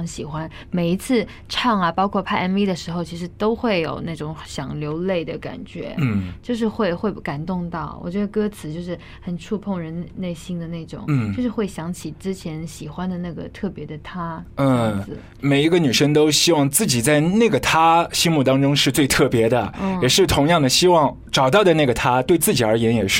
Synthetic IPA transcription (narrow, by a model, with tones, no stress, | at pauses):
ŋɕi˨˩xwa˥n | me˨˩ɪi˧˥t͡sʰɹ̩˥˧ | ʈ͡ʂʰɑ˥˩ŋɐ˩pɑ˥ʊkʰwɔ˥˩pʰa˥˧ɛ˥ni˥d̪ə˨ʂɻ̩˧˥xo˧ʊt͡ɕʰi˧˥ʂ̬ɻ̩˧˥t̪o˥ʊxwe˥˩ɪjo̰˨˩ʊna˥˩ʈ͡ʂʊ˧˥˦ŋɕjɑ˨˩ŋljo˧˥ʊle˥˩ɪd̪ə˩ka̰˨˩nt͡ɕɥɛ̰˧˥n̩˥˩t͡ɕjo˥˧ʊʂ̬ɻ̩˥˧xwe˥˧ɪxwe˥˧ɪka˨˩nt̪ʊ˥˧ŋt̪ɑ˥˩ʊwɔ̰˨˩t͡ɕɥɛ˧˥d̪ə˧kɤ˥t͡sʰɹ̩˨˩t͡ɕjo˥˧ʊʂ̬ɻ̩˥˩ | xə˨˩nʈ͡ʂʰu˥˧pʰʊ˥˩ŋɻə˧˥nle˥˩ɪɕi˥ŋd̪ə˨ne˥˩ɪʈ͡ʂʊ̰˨˩˦ŋ̩˥t͡ɕo˥˧ʊʂɻ̩˥˧xwe˥˩ɪɕjɑ˧˥ŋt͡ɕʰi˨˩ʈ͡ʂɻ̩˥t͡ɕʰjɛ˧˥nɕi˨˩xwa˥nd̪ə˨na˥˩ɡə̰˩t̪ʰɤ˥˩pjɛ˧˥d̪ə˨t̪ʰa˥ə˥˧˥ɹ̩˥˩ | me˨˩ɪi˧˥ɡə˧ny˨˩ʂə˥ŋt̪o˥ʊɕi˥wɑ˥˧ŋt͡sɹ̩˥˩t͡ɕi˨˩t͡sa˥˧ɪna˥˩ɡə˩t̪ʰa˥ɕi˥ŋmu˥˩t̪ɑ˥ŋʈ͡ʂʊ˥ŋʂɻ̩˥˧t͡swe˥˧ɪt̪ʰɤ˥˩pjɛ˧˥d̪ə˨˥˩jɛ˨˩ʂɻ̩˥˩t̪ʰʊ˧˥ŋjɑ˥˩ŋd̪ə˩ɕi˥wɑ˥˧ŋ | ʈ͡ʂɑ˨˩ʊt̪ɑ˥˩ʊd̪ə˩na˥˩ɡə˩t̪ʰa˥t̪we˥˧ɪt͡sɹ̩˥˩t͡ɕi˨˩ə˞˧˥jɛ˧˥njɛ˨˩ʂɻ̩˥˩